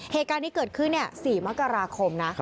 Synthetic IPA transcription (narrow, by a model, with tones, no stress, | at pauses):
heː˨˩t̪̚kaː˧nʰiː˦˥kɤː˨˩t̪̚kʰɯ˥˩nːi˥˩ɐsiː˨˩ma˦˥kːa˧ɾaː˧kʰo˧mna˦˥